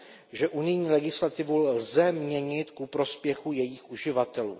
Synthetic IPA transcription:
ʒɛʔunɪjɲiːlɛɡɪslat̪ɪvulzɛmɲɛɲɪt̪kupɾo̞spjɛxujɛjiːxʔuʒɪvat̪ɛlṵː

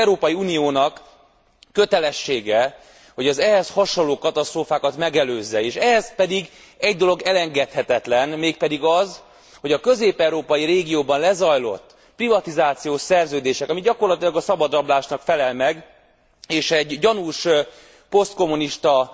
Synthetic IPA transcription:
ɾoːpɒjiuːnijoːnɒkː | ø̞t̪ɛlɛʃːeːɡɛ | ho̞ɟɛzɛɦɛshɒʃonlːoːkɒt̪ɒst̪roːfaːkɒt̪mɛɡɛløːzːɛeːʃɛɦɛzpɛd̪iɡ | ɛɟd̪o̞lo̞ɡɛlɛŋɡɛt̪hɛt̪ɛt̪lɛnmeːk̚pɛd̪iɡɒz | ho̞ɟɒkø̞zeːpɛwɾoːpɒjiɾeːɡijoːbɒnlɛzɒjlo̞̰t̪ː | privɒt̪izaːt̪sijoːʃsɛrzøːd̪eːʃɛkɒmiɟɒko̞rlɒt̪ilɒɡɒsɒbɒd̪ɾɒblaːʃnɒkfɛlɛlmɛɡ | eːʃɛɟːɒnuʃ | po̞st̪̚ko̞mːuniʃt̪ɒ

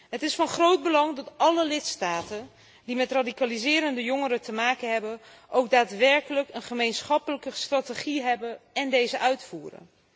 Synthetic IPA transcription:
ɦətɪsfɑnχrowd̚bəlɑŋdɑtʔɑləlɪtstaːtən | dimɛtradikalizɪːɾəndəjoŋəɾətəmaːkənɦɛbən | ʔowk̚daːtʋɛɹkələkənχəmejnsχɑpələkəstrateχiɦɛbənɛndejzəʔœɥtfuːrə̰n

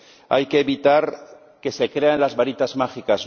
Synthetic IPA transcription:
a̰jke̞ːβit̪aɾ | ke̞sekɾeanlazβaɾit̪azmaxikaz

